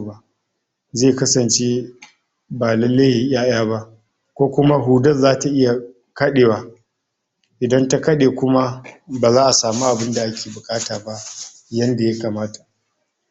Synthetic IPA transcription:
ba˦ | zeː˦˨kɐ˦sɐ˨nt͡ʃe˦ | baː˨lɐ˦le˦hi˨ʔʲj̰aː˦j̰aː˦ba˦ʔ | kʷoː˦kʷʊ˦ma˦ɦuː˦dɐ˦zːaː˦ta˨ʔɪ˦ja˨ | kɐ˦ɗeː˨wa˦ | ʔɪ˨dɐ˦nta˦kɐ˦ɗeː˨kʷʊ˦ma˦baː˨zaː˦ʔa˨saː˨mu˦ʔa˨bɪ˦nda˨ʔa˦kʲʰeː˨bʊ˨kʼaː˦taː˨ba˦ʔ | jɐ˦nda˨ja˦kaː˨maː˦ta˨

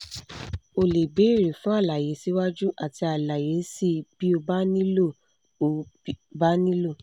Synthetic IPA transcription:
o˨le˨be˨˦i˦˨ɾe˨fũ˨˦a˦˨la˨je˨˦si˨˦wa˦d͡ʒu˦ʔa˦˨ti˧a˨la˨je˨˦si˦b̥i˦o˧ba˦nĩ˦lo˦˨ | o˨˦ba˦nĩ˦lo˦˨

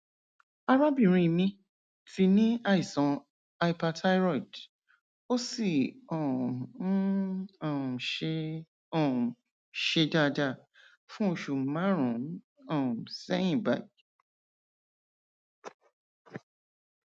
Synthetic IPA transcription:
a˧ɾa˦bĩ˦˨ɾ̃ĩ˧˨mĩ˧ | ti˧nĩ˦a˧i˨sɔ̃˨˧˦ | a˧i˦pa˧tʰa˦jɾɔ˦˨i˨d | o˦si˦˨ɔ˨˦˨ | ɔ˨ | ʃe˧da˦˨˧da˦˨ | fũ˦o˧ʃu˨mã˦ɾ̃ũ˨˦ | ɔ˦˨sɛ˦j̃ĩ˦˨ba˨˦ɡ

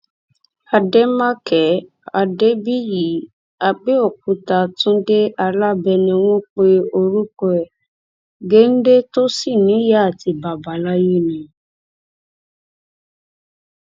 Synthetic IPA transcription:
a˧de˦mã˦kʰɛ˨˦ | a˧de˦bi˦ji˨˦ | a˧be˦o˦˨kũ˧˦ta˨tũ˦de˦a˧la˦bɛ˧nĩ˧w̃ɔ̃˦k͡pe˧o˧ɾu˦kɔ˧ɛ˨ | ɡe˦n̩˦de˦to˦si˦˨nĩ˨˦ja˦a˦˨ti˧ba˨ba˨˦la˦je˦˨nĩ˨

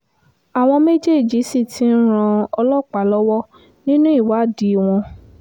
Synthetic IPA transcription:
a˨w̃ɔ̃˧me˦d͡ʒe˦˨d͡ʒi˨˦si˦˨tʰi˦n̩˦ɾ̃ã˧ɔ˧lɔ˦˨k͡pa˨lɔ˦wɔ˦ | nĩ˦nũ˦i˦˨wa˨˦˨di˨˦˨w̃ɔ̃˧

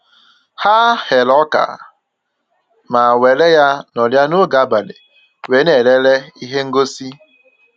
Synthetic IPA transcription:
ha˦he˨lɔ˦ka̰˨ | ma˨we˨le˦ja˦nɔ˨lja˦nʊ˦ɡa˦ba˨lḛ˨ | we˨˦ne˨le˦le˦i˦ɦe˦ŋ̩˦ɡo˦si˦

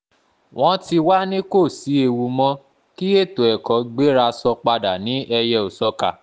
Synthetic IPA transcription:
w̃ɔ̃˦ti˧wa˦nĩ˦ko˦˨si˨˦e˧wu˧mɔ̃˦ | ki˦e˦˨to˨ɛ˨kɔ˨˦ɡ͡be˦ɾa˧sɔ˧k͡pa˧da˨nĩ˨˦ʔɛ˧jɛ˧o˨sɔ˧ka˨

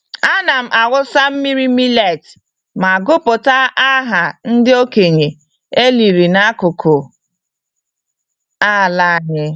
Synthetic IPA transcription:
a˦na˨m̩˨ʔa˨ɣʊ˦sa˦m̩˦mi˦ɾi˦mi˦le˦˨t | ma˨ɡʊ˦pʊ˨ta˦ʔa˦ɦa˨n̩˦dɪ˦o˦ke˨ɲe˨ | e˦li˨ɾi˨na˦kʊ˨kʰʊ˨ | a˦˨la˦˨ɲɪ˦

